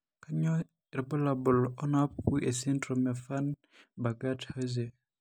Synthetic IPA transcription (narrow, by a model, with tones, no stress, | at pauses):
ka˦ɲɔ˦ | ɾba˦labɔ˨lɔ˦na˦p̚ku˦ʔe˨si˦ndɾɔ˨mja˨fa˦n | ba˨ɡa˦thaze˨